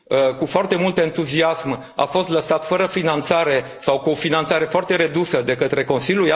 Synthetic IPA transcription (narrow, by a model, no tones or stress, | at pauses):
əkufoart̪e̞mult̪ent̪uziasm | a̰fo̞st̪ləsat̪fəɾəfinant̪saɾe̞ | sawkuofinant̪saɾe̞foart̪e̞ɾe̞d̪usəd̪e̞kət̪ɾe̞ko̞nsiljuja